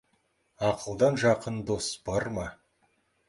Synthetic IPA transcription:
ɑqəlˠd̪ɑnʒɑqənd̪o̞sb̥ɑɾmɑ

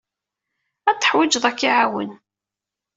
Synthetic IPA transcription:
æt͡s̪ːə̥ħwɪd͡ʒðˤækːiʕawə̰n

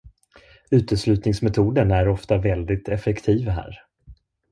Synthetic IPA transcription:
ʉ̟ːt̪əslʉ̟ːt̪nɪŋsmɛt̪ʰuːd̪ənæɾɔft̪avɛld̪ɪt̪ɛfɛkt̪ʰiːvɦæ̰ːɾ

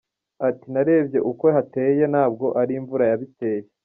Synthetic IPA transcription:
atinaɾe̞ːbɟe̞ʔukwe̞ɦate̞ːje̞naːb̚ɡo̞ʔaɾiɱvuɾajaβite̞ːje

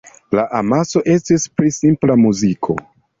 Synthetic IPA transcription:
laʔamaso̞ʔe̞stispɾisimplamuzikʰo̞̰

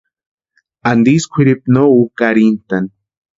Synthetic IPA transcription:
and̪iskʷʰiɾip̚noukaɾint̪an

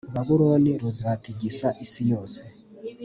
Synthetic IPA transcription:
uβaβuɾo̞ːniɾuzaːtiɟisaʔisijo̞ːse

